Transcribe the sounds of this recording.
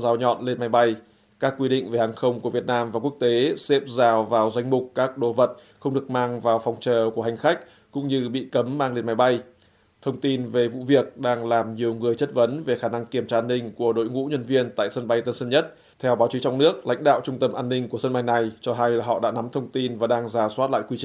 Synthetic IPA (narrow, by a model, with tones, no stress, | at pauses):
zaː˨˦wɲɔ̰˧˨nle˧nma˨˦jɓa˧j | kaː˦˥kːwi˧ɗḭ̈˧˨ŋ̟ve˨˩haː˨˩ŋxə˧wŋ͡mku˧˩vi˨˩ət̚naː˧mvaː˨˩ku˦˥ək̚t̪e˨˦sɛ˦˥p̚zaː˨˩wvaː˨˩wzwa˧jŋ̟mʊ˨˩k͡p̚kaː˦˥k̚ɗo˨˦və˨˩t̚xə˧wŋ͡mɗɨ˨˩ək̚maː˧ŋvaː˨˩wfɔ˨˩wŋ͡mt͡ɕəː˨˩ku˧˩əɦa˨˩jŋ̟xa˦˥k̟̚ | kʊ̰˧˥ŋ͡mɲɨ˧ɓḭ˧˨kə˨˦mːaː˧ŋle˧nma˨˦jɓa˧j | t̪ʰə˧wŋ͡mt̪i˧nve˨˩vṵ˧˨vi˨˩ək̚ɗaː˧ŋlaː˨˩mɲi˨˩əwŋɨ˨˩əjt͡ɕə˦˥t̚və˨˦nve˨˩xaː˧˩na˧ŋki˨˩əmt͡ɕaː˧ʔaː˧nːï˧ŋ̟ku˧˩əɗo̰˧˨jŋṵ˧˥ɲə˧nvi˧ənt̪a̰ː˧˨jsə˧nɓa˧jt̪ə˧nsə˧nɲə˦˥t̚ | t̪ʰɛ˧wɓaː˨˦wt͡ɕi˨˦t͡ɕɔ˧wŋ͡mnɨ˦˥ək̚lʔa̰˧˥jŋ̟ɗa̰ː˧˨wt͡ɕʊ˧ŋ͡mt̪ə˧mʔaː˧nːï˧ŋ̟ku˧˩əsə˧nɓa˧jna˨˩jt͡ɕɔ˧ɦa˧jlaː˨˩ɦɔ̰˧˨ɗa̰ː˧˥na˨˦mt̪ʰə˧wŋ͡mt̪i˧nvaː˨˩ɗaː˧ŋzaː˨˩swaː˦˥t̚la̰ː˧˨jkwi˧t͡ɕi˧˨